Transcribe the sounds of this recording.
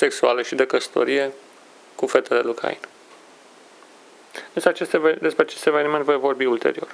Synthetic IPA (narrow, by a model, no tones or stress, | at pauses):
se̞ksualəʃid̪e̞kəsə̥t̪o̞̰ɾije̞ | kufe̞t̪e̞le̞lukʰa̰ḭn | d̪eseat͡ʃest̪d̪e̞spɾeat͡ʃe̞st̪e̞ve̞niment̪vojvo̞rbiult̪e̞̰ɾio̞̰r